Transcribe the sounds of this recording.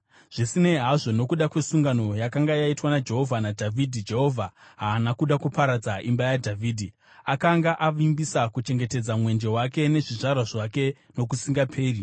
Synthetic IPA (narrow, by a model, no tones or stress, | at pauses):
ʐ̥isine̞ɦaʐo̞no̞kuɗakwe̞suŋɡano̞jakaŋɡajaitwanad͡ʒe̞ɦo̞vʱanadʱavʱidʱid͡ʒe̞ɦo̞vʱaɦaːnakuɗakupaɾad͡zaʔimbajadʱavʱiːdʱi | akaŋɡaʔaʋimbisakut͡ʃe̞ŋɡe̞te̞d͡zamwe̞nd͡ʒe̞wake̞ne̞ʐiʐarwaʐake̞ | no̞kusiŋɡapʰe̞ːri